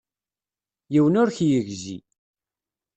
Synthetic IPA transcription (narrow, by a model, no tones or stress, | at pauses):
jiwənʊɾçjəʝzḭ